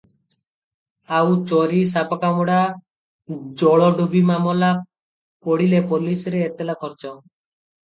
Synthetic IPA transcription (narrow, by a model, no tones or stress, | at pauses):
awt͡ʃɔɾisapakamɔɽa | d͡ʒɔɭɔɖubimamɔla | pɔɽilepɔlisɾeːt̪elakʰɔɾt͡ʃɔ